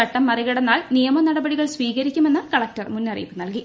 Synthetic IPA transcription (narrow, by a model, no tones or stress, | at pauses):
ɐʈːɐmːɐriɣɐɽɐnːaːɭnijɐmɐnɐɽɐbɐɽiɣɐɭsʋiːkɣɐɾikʲːume̞nːɨkɐɭɐk̚tɐrmunːɐrijpːɨnɐlki